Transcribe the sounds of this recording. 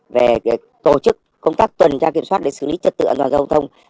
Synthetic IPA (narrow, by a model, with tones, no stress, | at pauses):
ve˨˩˨ | t̪o˧˩t͡ɕɨ˦˥k̚ːə˧wŋ͡mt̪aː˦˥k̚t̪wə˨˩nt͡ɕaː˧ki˧˩əmswaː˦˥t̚ɗe˧˩sɨ̰˧˩li˨˦t͡ɕə˨˩t̪ɨ̰˧˨aː˧nt̪waː˨˩zə˧wŋ͡mt̪ʰə˧wŋ͡m